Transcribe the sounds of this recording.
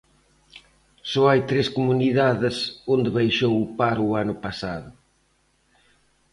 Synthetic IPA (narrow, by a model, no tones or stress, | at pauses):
sɔajt̪ɾeskomuniðaðɪsond̪eβajʃowʊpaɾʊanʊpasaðʊ